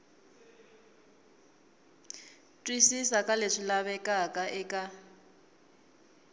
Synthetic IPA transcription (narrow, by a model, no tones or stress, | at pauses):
tʼwisisakʼaleʂilaβɛkʼakʼaʔɛkʼa